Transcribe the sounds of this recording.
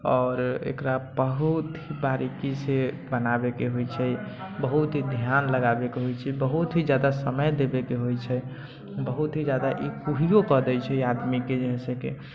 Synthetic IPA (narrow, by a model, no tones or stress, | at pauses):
ɔːɾḛkɾabəɦut̪ɦibaɾikise | bənabekeɦojt͡ʃʰɛbəɦut̪ɦid̪ʱjanləɡabekeɦojt͡ʃʰɛbəɦut̪ɦid͡ʒjad̪asəməjd̪ebekeɦojt͡ʃʰɛ | bəɦut̪ɦid͡ʒad̪aʔikuɦijokəd̪ɛjt͡ʃʰɛiad̪miked͡ʒeɦɛ̃sə̃kḛ